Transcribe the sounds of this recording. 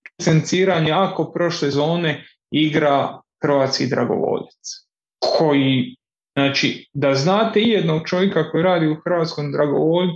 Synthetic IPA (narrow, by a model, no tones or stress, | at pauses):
sent̪siːɾaɲeako̞pɾo̞ʃlezo̞ːne̞ | iɡɾaxr̩ʋaːt̪skid̪ɾa̰ɡo̰ʋo̰ːʎit̪s | kʰo̞ji | znaːt͡ʃid̪aznaːt̪eijed̪no̞ɡ̚t͡ʃo̞ʋjekako̞jiɾaːd̪iuxr̩ʋaːt̪skomd̪ɾaɡo̞ʋol